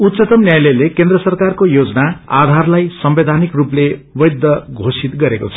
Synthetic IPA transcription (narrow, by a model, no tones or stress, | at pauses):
ut̪t͡sʌt̪ʌmnjajlʌjlekend̪rʌsʌrkarkojod͡zʌnaa̰d̪ʱarlajsʌmbed̪ʱanikruplewʌjd̪ːʌɡʱosit̪ɡʌɾeko̰t͡sʰʌ